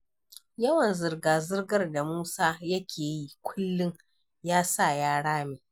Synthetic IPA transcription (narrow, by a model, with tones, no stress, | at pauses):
jɐ˦wɐ˨nzɪ˨rɡaː˨zɪ˦rɡɐ˦rda˨muː˦saː˦jɐ˦kʲʰeː˨ji˦kʷʰʊ˦lːɪ˦ŋ | jaː˦sa˦˨jaː˦ɽaː˦meː˨